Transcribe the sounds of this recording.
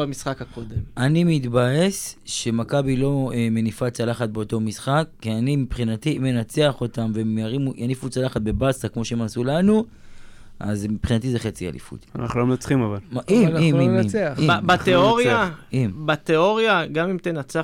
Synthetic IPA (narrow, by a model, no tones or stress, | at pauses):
amisχakhakod̪emʔanimit̪baesʃe̞makabilo̞me̞nifat͡salaχat̪̚be̞o̞to̞misχakːianimipχinat̪ime̞nat͡seaχo̞t̪amvemjaʁimujanifut͡salaχat̪̚be̞basakmo̞ʃeemasulanu | ʔa̰zmipχinat̪ize̞χet͡sia̰lḭfṵt̪ana̰χnulomnat͡sχimavalmaʔimnimimimeaibat̪eoʁjaimbat̪eoʁjaɡamimt̪enat͡sa